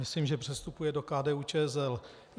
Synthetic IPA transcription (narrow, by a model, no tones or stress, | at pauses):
ɪsliːmʒɛpr̝̥ɛst̪upujɛdo̞kaːdɛːuːt͡ʃɛːɛsɛl